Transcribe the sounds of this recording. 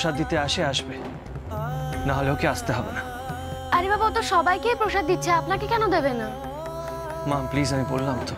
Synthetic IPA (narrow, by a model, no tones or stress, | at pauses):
ʃad̪ːit̪eaʃeaʃbe | naɦoleokeaʃt̪eɦɔbena | aɾibabaɔt̪oʃɔbajkeːpɾoʃad̪ːitːʰeapnaɾkekɛnod̪ebenːa | mamplizamibolːamt̪o